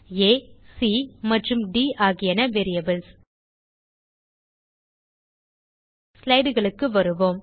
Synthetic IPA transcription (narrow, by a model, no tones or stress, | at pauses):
eːsimɐʈrɯmɖiːaːɣɪjɐnɐʋeːɾɪjɐbɯls | slɐɪɽɯɣɐɭɯkːɯʋɐɾɯʋoːm